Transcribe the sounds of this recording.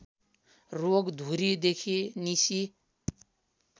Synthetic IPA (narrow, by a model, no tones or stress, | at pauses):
roɡd̪ʱuɾid̪ekʰinisi